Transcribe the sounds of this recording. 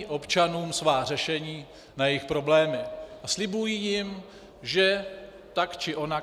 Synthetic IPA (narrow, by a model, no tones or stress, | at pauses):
ʔo̞pt͡ʃanuːmsvaːr̝ɛʃɛɲiː | najɪxpɾo̞blɛːmɪʔaslɪbujiːjɪm | ʒɛ | t̪akt͡ʃɪʔo̞na